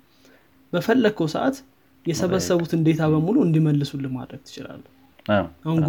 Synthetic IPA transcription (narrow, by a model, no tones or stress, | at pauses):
bəfəlːəkʰːəwsəʔa̰t̪ | jɛsəβəsːəβut̪ɨnd̪e̞t̪ʰaβəmuluɨnd̪iməlːɨsulːəma̰d̪ɾəɡ̥̚t̪ʰɨ̥t͡ʃɪla̰lː | ʔahunɡ